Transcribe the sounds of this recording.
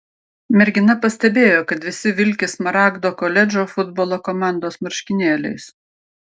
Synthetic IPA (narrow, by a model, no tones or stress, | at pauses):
mʲɛɾʲɡʲɪnɐpɐsʲt̪ʲɛbʲeːjoːkɐt̪ʋʲɪsʲɪʋʲɪlʲkʲɪsmɐɾɑːɡd̪oːkoːlʲɛd͡ʒʲoːfʊd̪boːlˠoːkɔmɑˑnd̪oːsmɐɾʲʃʲkʲɪnʲeːlʲɛ̰ɪs